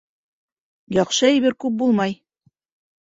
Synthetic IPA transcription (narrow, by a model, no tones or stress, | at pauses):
jɒqʃɤæjβɘɾkʉp̚bulˠmɑj